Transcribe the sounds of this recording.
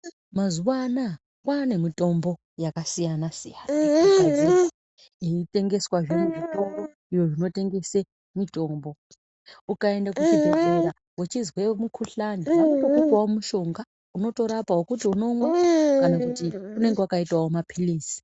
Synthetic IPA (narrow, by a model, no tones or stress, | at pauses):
mazuwana | kwane̞mitʼo̞mbo̞ | jakasijanasijaːnaazi | iitʼe̞ŋɡe̞swaʐineʐitʼombo | ijo̞ʐino̞te̞ŋɡe̞se | mitʼo̞ːmbo̞ | ukae̞ndakut͡ʃiukeɾa | wet͡ʃizwe̞mukʰuɬaniukupwaomuʃo̞ŋɡa | uno̞to̞ɾapawokutiuno̞mwakanakutiune̞ŋɡewakaitwawomapʰilisi̥